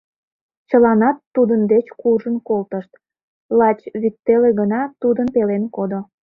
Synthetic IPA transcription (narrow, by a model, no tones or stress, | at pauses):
t͡ɕəlɑnɑt̪ːud̪ənd̪et͡ɕkuʒənkolt̪əʃt̪ | lɑt͡ɕβyt̪ːeleɣənɑt̪ud̪ənpelenkod̪o